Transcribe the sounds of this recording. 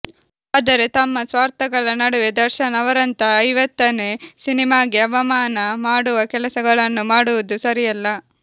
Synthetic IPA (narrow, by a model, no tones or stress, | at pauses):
aːd̪ɐɾet̪ɐmːɐsʋaːɾt̪ɐɡɐɭɐnɐɽuʋed̪ɐɾʃɐnɐʋɐɾɐnt̪ɐːjʋɐt̪ːɐnesinimaːɡeɐʋɐmaːnɐmaːɽuʋɐkɛlɐsɐɡɐɭɐnːumaːɽuʋud̪usɐɾijɐlːɐ